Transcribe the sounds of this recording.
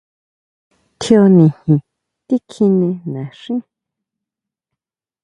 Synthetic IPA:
t̪ʰo˧nĩ˨hĩ˨ | t̪i˦kʰi˧nẽ˧nã˨ʂĩ˦

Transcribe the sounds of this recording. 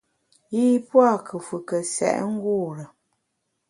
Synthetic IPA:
ji˦pwa˦˨kʰə˨fu˨kə˨sɛ̰˨ʔŋ̩˦ɡuː˦˨ɾə˨

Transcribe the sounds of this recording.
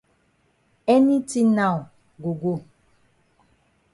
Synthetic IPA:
ɛ˦ni˦ti˦na˦˨w | ɡo˨ɡo˦˨

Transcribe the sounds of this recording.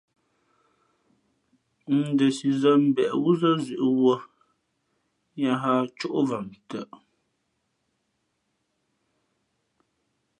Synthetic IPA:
n̩˨də˨si˨zə˦m̩˦bɛ˨ʔwu˦zə˦zʉ˨ʔwo˦ | ɲa˦ɦa˦t͡ʃɔ˦ʔvə˨mtə˨ʔ

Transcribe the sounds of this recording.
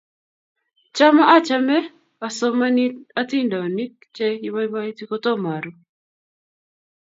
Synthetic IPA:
t͡ʃa˦ma˦ʔa˦t͡ʃa˦mɛ˦ | a˨sɔ˦ma˦ni˦a˦ti˦nda˨o˨ni˦k̚t͡ʃe˦i˦βa˦i˦ba˦i˦ti˦ko˦tɔ˦ma˨ɾu˦

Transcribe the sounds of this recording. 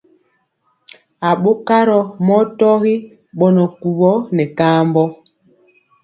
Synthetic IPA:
a˨ɓo˦ka˦ɾɔ˨mɔ˦tɔ˦ɣi˦ | ɓɔ˦nɔ˨ku˨βɔ˦nɛ˨kaː˦mbɔ˦

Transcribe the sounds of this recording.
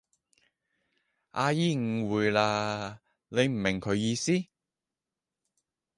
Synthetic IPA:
ʔaː˧jiː˥ŋ̩˨˧wuː˨˧jlaː˧ | le˨˧jm̩˨˩mɪ˨˩ŋkʰɵ˨˧ɥjiː˧siː˥

